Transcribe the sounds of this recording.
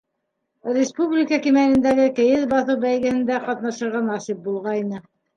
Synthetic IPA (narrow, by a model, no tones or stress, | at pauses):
rʲɪspublʲikəkimænɘ̆nd̪æɡɘkɘ̆jɘðbɑθɤwbæjɡɘ̆hɘ̆nd̪æqɑt̪nɑʃɤ̆ɾʁɑnɑsip̚bulˠʁɑjnɤ